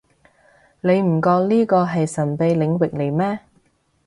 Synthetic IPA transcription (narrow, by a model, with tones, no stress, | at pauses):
le˨˧jm̩˨˩kɔː˧k̚liː˥kɔː˧ɦɐ˨jsɐ˨˩npe˨˧jlɪ˨˧ŋwɪ˨k̚le˨˩jmɛː˥